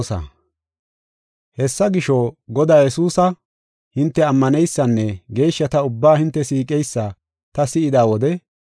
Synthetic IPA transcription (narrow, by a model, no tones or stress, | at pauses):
sɐ̰ | hɛsːɐɡɪʃoɡɔd̪aːjɛsuːsɐ | hɪnt̪ːɛɐmːɐnɛjsːɐnːɛɡe̞ːʃːɐt̪ɐʊbːaːhɪnt̪ːɛsiːkʼɛjsːɐ | t̪ɐsɪɪd̪aːwɔd̪ɛ